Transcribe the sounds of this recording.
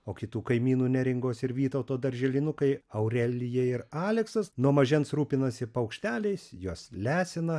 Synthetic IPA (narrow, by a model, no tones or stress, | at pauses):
oːkʲɪt̪uːkɐɪmʲiːnuːnʲɛɾʲɪŋɡoːsɪɾʋʲiːt̪ɐʊt̪oːd̪ɐɾʲʒʲɛlʲɪnʊkɐɪɐʊɾʲɛlʲɪjɛɪɾɑːlʲɛksɐsnuɔmɐʒʲɛnt̪sɾuːpʲɪnɐsʲɪpɐʊkʃʲt̪ʲæːlʲɛɪsjuɔslʲæːsʲɪnɐ